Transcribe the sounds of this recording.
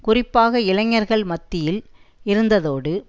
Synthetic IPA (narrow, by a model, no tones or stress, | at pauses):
kʊrɪpːaːɣɐɪlɐŋːɐɾɣɐɭmɐt̪ːɪjɪlɪɾɯnd̪ɐðoːɽɯ